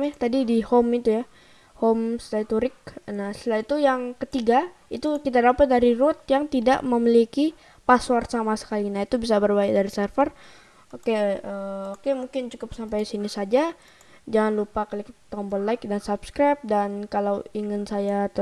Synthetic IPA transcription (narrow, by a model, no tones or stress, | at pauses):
t̪adidihomit̪uja | homstait̪uɾɪk̚naslait̪ujaŋkət̪iɡa | it̪ukit̪̬adapət̪̚daɾiɾʊt̪̚jaŋt̪ida̰ʔməmiliki | paswarsamasə̥kalinait̪ubisabərbajadaɾisərfər | okeəokemuŋkɪnd͡ʒukʊp̚sampajsinisad͡ʒa | d͡ʒaŋanlupakəlikt̪t̪ɔmbɔlaɪk̚dansapskɾap̚dankalawiŋɪnsajat̪ə